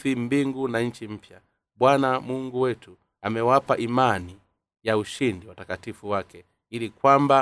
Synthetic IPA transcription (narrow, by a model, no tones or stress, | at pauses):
fim̩biŋɡunaɲ̩t͡ʃim̩pja | bwanamuŋɡuwɛtu | amɛwapaʔimani | jauʃindiwatakatifuwakɛ | ilikwamba